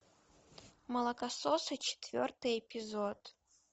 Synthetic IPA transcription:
mɐlˠɐkɐsosɐt͡ʃʰe̥t̪vʲo̰rt̪ɨɛpʲʰizod̪

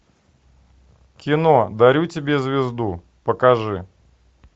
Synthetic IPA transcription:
kʲɪnod̪ɐɾʲutʲɪbʲezʲvʲɪzd̪u | pəkɐʐɨ

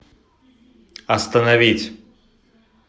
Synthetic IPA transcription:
ɐst̪ɐnɐvʲit͡sʲ

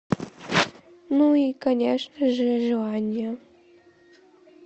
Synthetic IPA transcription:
nuikɐnʲeʂnəʐəʐɨlˠanʲɪjə

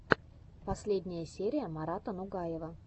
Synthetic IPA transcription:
pɐsʲlʲedʲnʲɪjəsʲeɾʲɪjəmɐɾat̪ənʊɡajɪvə

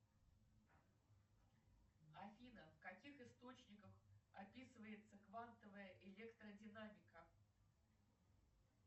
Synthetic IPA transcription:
ɐfʲinəfkɐkʲixɨst̪o̞t͡ɕnʲɪkəxɐpʲisɨvəjɪt̪səkvant̪əvəjəʔɪlʲekt̪ɾədʲɪnamʲɪkə

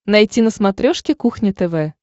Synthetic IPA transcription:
najtʲinəsmat̪ɾʲoʂkʲɪkuxnʲɪt̪ɛvɛ

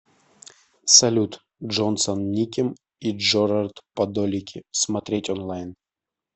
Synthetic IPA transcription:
sɐlʲut̪ | ʐonsonnʲikʲɪm | iʐoɾart̪pɐd̪olʲɪkʲɪsmɐt̪ɾʲetʲɔnlˠajn

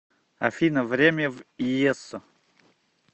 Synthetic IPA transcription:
a̰fʲinəvɾʲemʲəvijesʊ

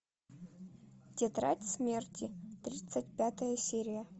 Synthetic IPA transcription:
tʲet̪ɾa̰tʲsʲmʲertʲit̪ɾʲit̪sɨt̚ʲpʲat̪əjɐsʲeɾʲɪjə

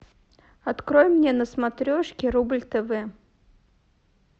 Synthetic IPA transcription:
ɐt̪kɾojmːnʲenəsmat̪ɾʲoʂkʲɪɾublʲt̪ɛvɛ

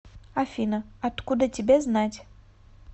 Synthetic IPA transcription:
afʲinəɐt̪kud̪ətʲɪbʲeznatʲ

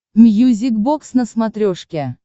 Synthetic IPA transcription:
mjuzʲik̚boksnəsmat̪ɾʲoʂkʲe

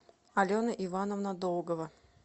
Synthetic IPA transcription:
ɐlʲonəʔɪvanəvnɐd̪olˠɡəvə

